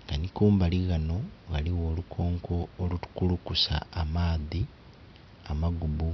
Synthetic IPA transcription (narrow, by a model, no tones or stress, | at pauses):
ŋɡanikuːmbaliɣano̞ɣaliɣo̞ːlukʰo̞ːŋkʰo̞ːlutu̥kulukusa̰ːmaːði | amaɡuβu